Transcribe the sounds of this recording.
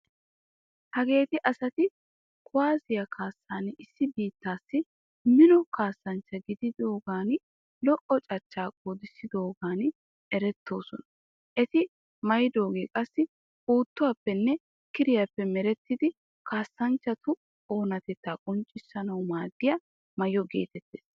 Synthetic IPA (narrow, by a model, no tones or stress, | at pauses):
hɐɡe̞ːt̪ɪʔɐsɐt̪ɪ | kʰʊwaːzɪjɐkʰaːsːaːnɪsːɪbiːt̪ːaːsːɪ | mɪnɔkaːsːɐnt͡ʃːɐɡɪd̪ɪd̪o̞ːɡaːn | lɔʔɔt͡ʃʼɐt͡ʃːaːkʼod̪ɪsːɪd̪o̞ːɡaːn | ɛɾɛt̪ːo̞ːsɔnɐ | ʔɛt̪ɪ | mɐjɪd̪o̞ːɡeːkʼɐsːɪ | uːt̪ːʊwɐpːɛnːɛ | kɪɾɪjɐpːɛmɛɾɛt̪ːɪd̪ɪ | kʰaːsːɐnt͡ʃːɐt̪ʊ | o̞ːnɐt̪ɛt̪ːaːkʼɔnt͡ʃʼɪsːɐnɐwmaːd̪ːɪjɐ | mɐjɔɡe̞̰ːt̪ɛt̪ːḛːs